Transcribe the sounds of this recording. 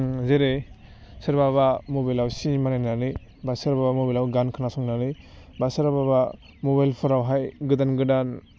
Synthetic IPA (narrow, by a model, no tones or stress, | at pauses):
zeɾe | sɯɾbabamobajlawsimanajnanɯj | basɯɾbabamobalawɡankʰɯnasɔŋnanɯ | basɯɾababa | mobajlpʰɯɾawɦajɡɯdanɡɯdan